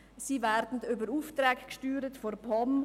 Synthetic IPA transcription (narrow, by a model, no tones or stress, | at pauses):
siːvɛɾdn̩tʏbəɾuːftɾɛːkkʃtyːɾətforpʰɔm